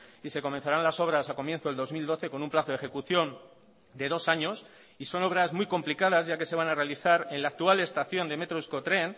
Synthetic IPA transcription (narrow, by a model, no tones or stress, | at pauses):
ise̞ko̞men̟θaɾanlaso̞β̞ɾasako̞mje̞nθoeld̪o̞zmild̪o̞θe̞ko̞numplaθoðexe̞kuθjo̞n | d̪e̞ð̞o̞saɲo̞s | iso̞no̞β̞ɾazmwijko̞mplikaðazʝake̞se̞βanarealiθaɾe̞nlaːk̚t̪uale̞st̪aθjo̞nd̪e̞me̞t̪ɾoisko̞t̪ɾe̞n